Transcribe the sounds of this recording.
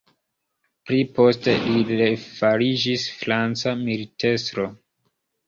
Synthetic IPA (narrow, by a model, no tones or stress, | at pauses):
pɾipo̞ste̞lilefaɾid͡ʒisfɾant͡samilitʰe̞stɾo̞